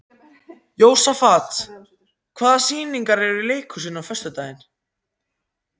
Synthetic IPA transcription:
joːwsafaːt̪ | kʰvaːðasiːniŋkaɾɛɾʏɾileːjkʰʏsɪnːawfœst̪ʏt̪aːjðɪn

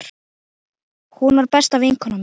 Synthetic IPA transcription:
ɾ | hunvaɾpɛst̪avejŋkʰɔnam

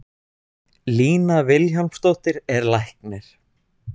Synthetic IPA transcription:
liːnavɪlçalmst̪owht̪ɪɾɛɾlajhknɛɾ̥

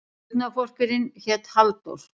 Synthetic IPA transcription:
ðnafɔr̥kʏɾɪnçɛt̪halt̪o̰ɾ̥

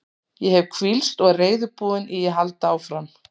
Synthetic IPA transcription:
jɛhɛvkʰvilst̪ɔɣreːjðʏpuːðɪnʔijɛɦalt̪aːwfɾam

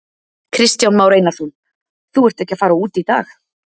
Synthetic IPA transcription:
kʰɾɪst̪jawnmaːwɾeːjnaɾ̥θun | θuɛr̥t̪ɛhcɪafaːɾauːt̪it̪aːx

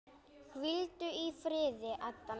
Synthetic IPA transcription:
kvɪlt̪ʏifɾɪːðɪʔaðt̪a

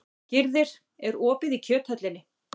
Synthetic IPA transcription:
cɪɾðɪɾ̥ | ɛɾɔːpɪðicʰœːt̪hœt̪lɪnːɪ

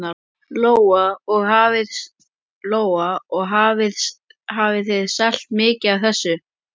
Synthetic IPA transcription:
a | loːwaɔɣɦaːvɪð | loːwaɔɣɦaːvɪð | haːvɪθeðsal̥t̪mɪːcɪavθɛsːʏ

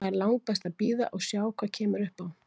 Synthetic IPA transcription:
aɾlawŋk̚pɛst̪aðpiːða̰ʔɔɣsjaːwkʰv̥acʰɛːmʏɾʏhpawn

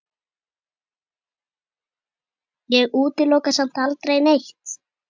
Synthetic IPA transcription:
jɛɣuːt̪ɪlowkasam̥t̪alt̪ɾejnejht̪

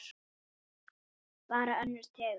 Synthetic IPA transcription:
paːɾaœnlɛɾ̥t̪ʰɛː

